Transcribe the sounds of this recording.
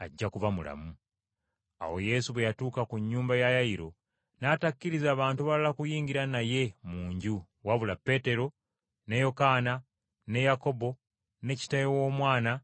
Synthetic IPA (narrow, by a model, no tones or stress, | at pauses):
aɟːakuvamula̰mu | a̰wo̞̰je̞suβwe̞jatuːkakuɲːuːmbajajaiɾo̞̰ | natakːiɾizaːβaːntuβalalakujiːŋɡiɾanaje̞muːɲɟu | waβulapːe̞ːte̞ɾo̞ | ne̞jo̞kaːna | ne̞jako̞bo̞ | ne̞ci̥tajewo̞ːmwaːna